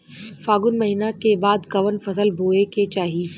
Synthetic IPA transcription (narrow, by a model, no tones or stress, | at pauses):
faːɡʊnmɐɦiːnakebaːd̪kɐʋənfɐsəlbʱoːeket͡ʃaːɦiː